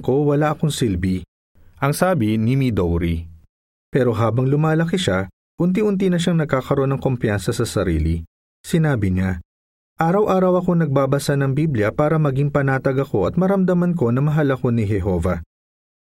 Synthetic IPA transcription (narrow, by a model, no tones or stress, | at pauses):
ko̞wɐlaʔɐko̞ŋsilbi | ʔɐŋsaːbinimid̪owɾi | pɛːɾo̞ɦaːbɐŋlʊmaːlɐkɪʃa | ʔʊnt̪iʔʊnt̪̬inɐʃaŋnɐɡ̚kaːkɐɾo̞nɐŋko̞mpjansɐsɐsɐɾḭːlḭ | sɪnaːbɪɲa | ʔaːɾɐwʔaːɾɐwɐko̞ŋnɐɡ̚baːbɐsanɐŋbibljɐpaːɾɐmɐɡiŋpɐnaːt̪ɐɡɐko̞ʔɐt̪̚mɐɾɐmd̪ɐmɐnko̞nɐmɐɦalɐko̞nɪɦɛɦo̞ːvɐ